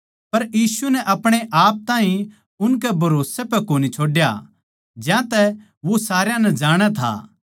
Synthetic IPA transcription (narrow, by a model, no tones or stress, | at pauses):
pɐɾjiːsunɛʔɐpɽ̃eʔaːp̚t̪ãːɦĩ | ʊnkɛbʱɐɾoːsepɛkoːnit͡ʃʰoːɖja | d͡ʒjãt̪ɛ | ʋosaːɾjãnɛd͡ʒaːɽ̃at̪ʰa̰ː